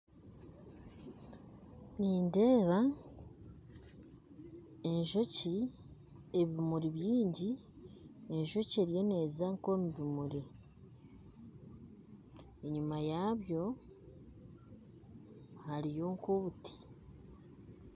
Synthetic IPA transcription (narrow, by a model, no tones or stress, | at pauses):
niːnde̞ːβa | e̞ɲʒo̞ci | e̞βimuɾiβjiːɲɟi | e̞ɲʒo̞ceɾje̞ne̞ːzaŋko̞muβimuɾi | e̞ɲumajaβjo̞ | haɾijo̞ːŋkoβutʰi̥